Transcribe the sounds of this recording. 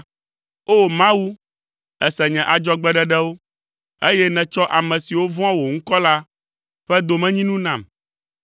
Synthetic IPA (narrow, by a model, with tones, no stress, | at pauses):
o˦mã˦wu˦ | ɛ˨sɛ˨ɲɛ̃˨ʔa˨d͡ʒɔ˦ɡ͡bɛ˦ɖɛ˦ɖɛ˦wo˦ | e˦jɛ˦nɛ̃˨t͡ʃɔ˦ʔa˨mɛ̃˨si˨wo˦vɔ̃˦ã˦wo˨ŋ̩˦kɔ˦la˦ | ɸɛ˦d̪o˨mɛ̃˦ɲĩ˦nũ˦nã˨m